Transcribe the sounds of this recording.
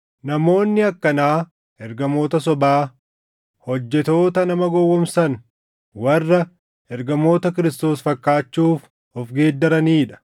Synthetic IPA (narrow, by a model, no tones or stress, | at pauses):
nɐmo̞ːnːɪɐkːɐnaː | ʔɛɾɡɐmo̞ːt̪ɐs̬ɔbaː | hɔd͡ʒːɛt̪o̞ːt̪ɐnɐmɐɡɔwːɔmsɐn | wɐrːɐ | ʔɛɾɡɐmo̞ːt̪ɐkɪɾɪst̪o̞ːsfɐkːaːt͡ʃːuːf | ɔfɡe̞ːd̪ːɐɾɐniːᶑɐ̥